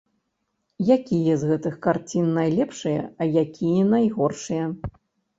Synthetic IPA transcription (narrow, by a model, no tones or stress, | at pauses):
jakʲijɐzɣɛt̪ɨxkart͡sʲinːajlʲɛpʂɨjɐ̰ɐjakʲʰijɛnajɣɔrʂɨjɐ